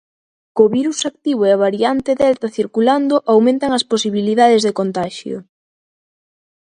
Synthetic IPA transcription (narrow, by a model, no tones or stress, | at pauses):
koβiɾusak̚t̪iβ̞oeaβaɾiant̪eðɛlt̪ɐθiɾkuland̪ʊʔawmẽnt̪aŋɐsposiβiliðaðezðekont̪aʃjo̰